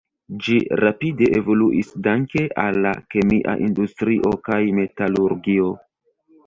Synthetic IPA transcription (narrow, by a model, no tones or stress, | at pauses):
d͡ʒiɾapide̞ʔevo̞luʔisdaŋke̞ʔalːa̰ke̞miʔa̰ʔindustɾiʔo̞kajme̞taluɾɡio̞